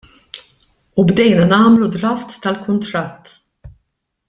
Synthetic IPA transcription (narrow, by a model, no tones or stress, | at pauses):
ubd̪ɛjnɐnɐːmlud̪ɾɐft̪ːɐlkʊnt̪ɾɐt̪ː